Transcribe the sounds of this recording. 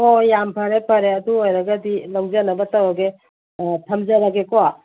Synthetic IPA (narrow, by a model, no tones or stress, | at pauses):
ojampʰɐɾepʰɐɾeɐduojɾɐɡɐdilawd͡ʒanɐbɐtɐwɐɡe | tʰɐmzɐɾaɡekoa